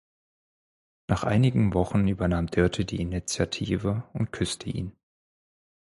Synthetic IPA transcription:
nʔaːχʔa̰ɪnɪɡŋ̩vɔχn̩yːbɐnaːmdœɐtʰədḭːɪnit͡sjatʰiːvəʊnt̚kʰʏstʰəʔḭːn

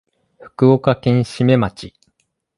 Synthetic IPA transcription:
ɸɯ̟̥kɯ̟okakẽ̞ɰ̃ɕime̞mat͡ɕi

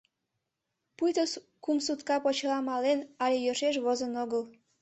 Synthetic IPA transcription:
pujt̪əs | kumsut̪kɑpot͡ɕlɑmɑlenɑlʲejøʃeʃβozənoɣəl

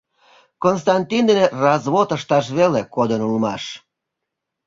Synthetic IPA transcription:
kons̬t̪ɑnt̪ʲind̪enerɑzβot̪əʃt̪ɑʃ̬βelekod̪ənulmɑ̰ʃ

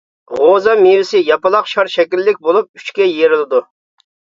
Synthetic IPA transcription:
ʁozɑmiɾɪsɪjɑpɨlˠɑqʃɑɾʃɛkʲilːɪkʲbolˠup̚y̥t͡ʃkʲɛjeɾɪlˠɨd̪u

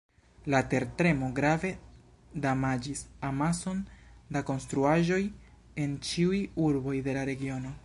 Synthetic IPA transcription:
late̞ɾtɾe̞mo̞ɡɾave̞ | damad͡ʒisamaso̞ndako̞nstɾuaʒo̞j | e̞nt͡ʃiujuɾbo̞jde̞laɾe̞ɡio̞no̞

